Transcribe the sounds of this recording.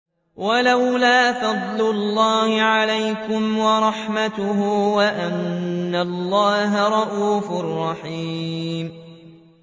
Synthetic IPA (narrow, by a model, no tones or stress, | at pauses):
walawlaːfɑd̪ˤlʊlːɑːhɪʕalajkʊmwɑɾˤɑħmat̪ʊɦʊwaʔanːalːɑːɦaɾˤɑʔuːfʊrˤːɑħiːm